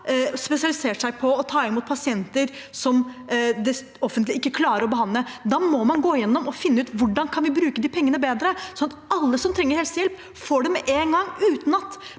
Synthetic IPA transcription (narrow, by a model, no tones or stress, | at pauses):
spɛsɪɑlɪseːʂæɪpʰɔɔt̪ʰɑːɪnmuːt̪pʰɑsɪɛnt̪əɾsɔmd̪ɛ | ɔfənt̪lɪɪkːəkʰlɑːɾəɾɔbəɦɑnləd̪ɑːmɔmɑnɡoːjɛnːɔmɔfɪnːəʉːt̪ʋʊɖɑnkʰɑnʋɪbɾʉːkəd̪iːpʰɛŋːənəbeːd̪ɾəsɔnɑt̪ɑlːəsɔmt̪ʰɾɛŋːəɾhɛlsjɛlp | foːɖɛmɛʔeːnɡɑŋːʉːt̪n̩ɑt̪